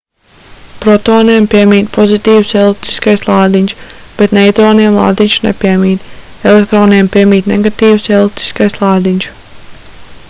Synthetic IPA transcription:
pɾɔt̪oːniɛmpiɛmiːt̪pʰɔzit̪iːwuselˠit̪i̥skajslˠaːd̪iɲʲʃb̥et̪nɛjt̪ɾoːniɛmlˠa̰ːd̪iɲʲʃunḛpiɛmiːt̪ | elek̚t̪ɾoːniɛmpʲiɛmiːt̪neɡat̪iːwuselˠit̪i̥skajslˠaːd̪iɲʲʃ

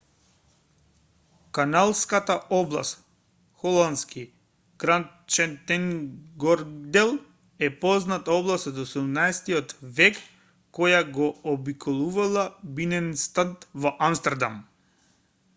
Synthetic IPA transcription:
kanalˠskat̪aʔɔblˠa̰st̪ | xɔlˠand̪ski | kɾan | t͡ʃɛnt̪ɛŋɡɔɾd̪ɛlˠ | ɛpɔznat̪aɔblˠast̪ɔt̪ɔsud̪umnaɛst̪iɔt̪vɛkː | ɔjaɡɔːbikʰɔlˠuvalˠabinɛnst̪ant̪vɔʔamst̪ɛɾd̪am

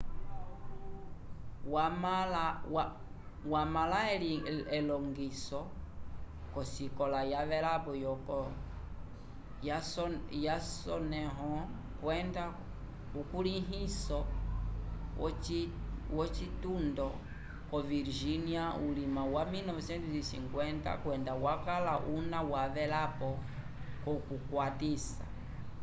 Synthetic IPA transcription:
wamalw | wamalaɛliɛlɔŋɡisɔ | kɔsikɔlajavɛɾabɔjɔkɔ | jajasɔnɛɦɔ̃ | kwɛnda | kukuliɦisɔ | wɔt͡ʃitundɔ | kɔviɾʒiniaulimawaminɔvɛsɛntusisḭŋkwɛnta̰kwɛndawakalaʔunawavɛlapɔ | kɔkukwatisa̰

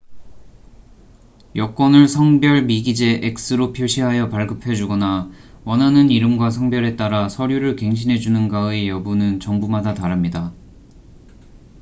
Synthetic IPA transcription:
jʌk͈wʌnɯɭsʰʌŋbjʌɭmiɡid͡ʑe̞ʔek̚s͈ɯɾopʰjoɕʰiɦajʌpaɭɡɯpʰe̞d͡ʑuɡʌnawʌnɦanɯniɾɯmɡwasʰʌŋbjʌɾe̞t͈aɾasʰʌɾjuɾɯɭke̞ŋɕ̬ʰinɦe̞d͡ʑunɯnɡaejʌbunɯnt͡ɕʌŋbumadataɾamɲida

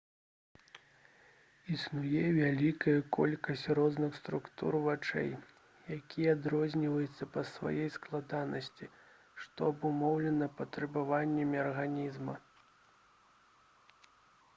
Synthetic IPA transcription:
isnujɛvʲalʲikɐjɐkɔ̰lʲkɐsʲt͡sʲrɔznɨxst̪ɾukt̪ṵrvat͡ʂɛ̰j | jakʲijɛad̪ɾɔzʲnʲivɐjut̪sːɐpɐsva̰jɛjsklˠad̪anɐsʲt͡sʲi | ʂt̪ɔɐbumɔwlʲɛnɐpɐt̪ɾɛbavanʲːɐmʲiɐrɣanʲizmɐ

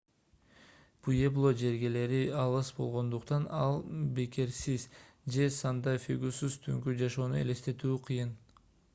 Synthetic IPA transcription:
pueblˠod͡ʒe̞ɾɡe̞le̞ɾiɑlˠɯsbo̞lˠʁo̞nd̪uqt̪ɑnɑlˠbe̞ke̞ɾsiz | d͡ʒe̞sɑnd̪ɑfʲiɡusyz̥t̪ʰyŋkyd͡ʒɑʃo̞ːnue̞̰le̞st̪e̞t̪yːqʰɯjɯn

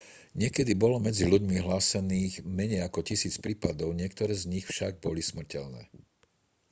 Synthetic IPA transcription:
ɲɪɛkɛd̪ibɔlɔmɛd͡ziluɟmiɦlaːsɛniːɣmɛɲɛjakɔcisiːt͡spɾiːpad̪ɔʊɲɪɛkt̪ɔɾɛːzɲixfʃaɡ̚bɔlismr̩cɛlnɛ̰ː

